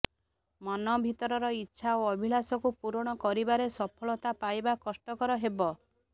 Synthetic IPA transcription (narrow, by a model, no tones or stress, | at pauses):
mɔnɔbʱit̪ɔɾɔɾɔitːʃʰaoɔbʱilasɔkupuɾɔɽ̃ɔkɔɾibaɾesɔpʰɔɭɔt̪apajbakɔsʈɔkɔɾɔɦebɔ